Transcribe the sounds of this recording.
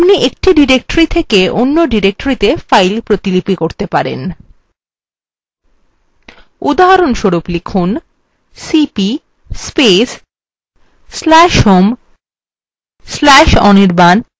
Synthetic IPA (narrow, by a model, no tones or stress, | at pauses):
pniʔek̚ʈiɖiɾek̚ʈoɾit̪ʰekeʔonːoɖiɾek̚ʈoɾit̪efajlpɾot̪ilipikoɾt̪epaɾḛn | ud̪aɦaɾonʃoɾuplikʰun | sipi | spes | lɛʃɦom | slɛʃɔniɾban